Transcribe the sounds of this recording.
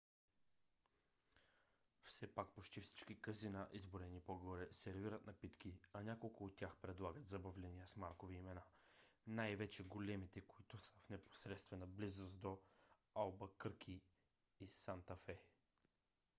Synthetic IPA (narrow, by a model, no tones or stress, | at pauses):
fsɛpak̚pot͡ʃt̪ifsi̥t͡ʃkikɐzinaʔizboɾɛnipoɡɔɾɛsɛɾviɾət̪nɐpit̪kiɐnʲakolˠkʊːt̪ːʲjaxpɾɛd̪lˠaɡət̪zɐbɐvlɛniəsmaɾkoviːmɛnanajvɛt͡ʃɛɡolɛmit̪ɛkoit̪ʊsə̥fnɛpo̥sɾɛt̪st̪vɛnɐblizosd̪o | alˠbəkɤɾkʰi | isant̪ɐfɛ